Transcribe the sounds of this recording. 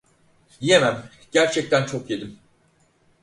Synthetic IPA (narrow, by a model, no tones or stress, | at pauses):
d̪ije̞mæm | ɟ̥æɾt͡ʃʰɛc̚t̪ʰænt͡ʃʰo̞kje̞d̪im